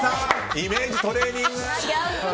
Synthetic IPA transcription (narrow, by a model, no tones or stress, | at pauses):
aimeːd͡ʑit̪oɾeːɲʲĩŋɡɯ